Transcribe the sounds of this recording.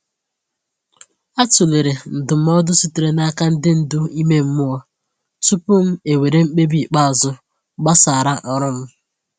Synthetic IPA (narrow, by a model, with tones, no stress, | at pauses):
a˦tʊ˨le˨ɾe˨n̩˨dʊ˨m̩˦ɔ˦dʊ˦si˦ti˨ɾe˨na˦ka˦n̩˦dɪ˦n̩˨dʊ˦i˦me˦m̩˦mʊ˦ɔ˦ | tʊ˦pʊ˦m̩˦e˨we˨ɾe˦ŋ͡m̩˦k͡pe˦bi˦˨k͡pa˦˨zʊ˦ | ɡ͡ba˦sa˨ɾa˦ʔɔ˨ɾʊ˦m̩˦